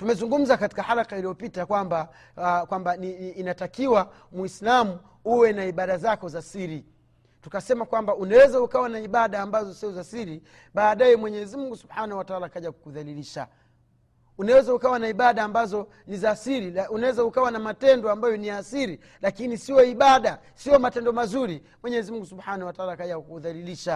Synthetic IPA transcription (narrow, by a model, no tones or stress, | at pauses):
tumɛzuŋɡum̩zakati̥kahalakailijɔpitakwamba | kwambaniːnatakiwa | mwislamu | uwɛnaiɓaɗazakɔzasiɾi | tu̥kasɛmakwambaunawɛzaukawanaiɓaɗaːmbazɔsiɔzasiɾi | ɓaːɗajɛmwɛɲɛzimuŋɡusubħanahwataalakaʄaku̥kuðaliliʃa̰ | unawɛzaukawanaiɓaɗaːmbazɔ | nizasiɾiunawɛzaukawanamatɛndɔambajɔniasiɾi | lakinisiɔiɓaɗa | siɔmatɛndɔmazuɾi | mwɛɲɛzimuŋɡusubħanawataalakaʄakukuðaliliʃa